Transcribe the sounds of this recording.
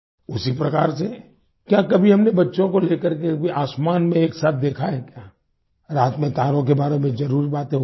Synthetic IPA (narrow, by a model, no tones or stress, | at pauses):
ʊsipɾɐkaːɾse | kjaːkɐbʱiɦɐmnebɐtːʃõkoleːkəɾkeʔaːsmaːnmẽeːksaːt̪̚ʰd̪eːkʰaɦɛkjaː | ɾaːt̪mẽt̪aːɾõk̬ebaːɾemẽzɐɾuːɾibaːt̪ẽɦ